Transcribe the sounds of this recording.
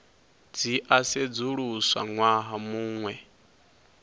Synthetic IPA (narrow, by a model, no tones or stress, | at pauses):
d͡ziʔased͡zuɺuswa̰ŋwaɦamuːŋwɛ